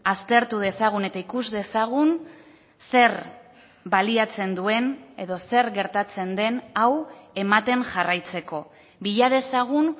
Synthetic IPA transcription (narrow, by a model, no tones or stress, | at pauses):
ast̪e̞ɾt̪uð̞e̞saɣ̞une̞t̪aikuzde̞saɣ̞un | se̞ɾ | baliat͡se̞nd̪ue̞ne̞ðo̞se̞ɾɣe̞ɾt̪at͡se̞nd̪e̞nawe̞mat̪e̞ŋʝarajt͡se̞ko̞ | biʎaðe̞saɣ̞un